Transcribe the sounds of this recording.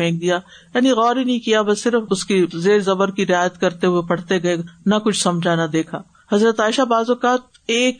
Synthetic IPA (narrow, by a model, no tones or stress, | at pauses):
ɛ̃ːk̚d̪ijaː | jaːniɣɔːɾɦinɐɦĩkijabɐsɪɾəfʊskizeːɾzɐbəɾkiɾɪaːjət̪kɐɾt̪eɦʊepɐɽ̤t̪eɡɐenɐkʊt͡ʃʰsɐmd͡ʒʱanɐd̪eːkʰaː | hɐzɾət̪aːɪʃabaːzokaːt̪̚ | eːk̚